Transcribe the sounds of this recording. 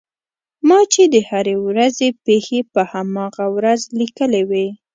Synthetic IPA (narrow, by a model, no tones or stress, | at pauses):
mɑt͡ʃed̪əhaɾewɾazepexepəhamɑɣawɾazlikəlewe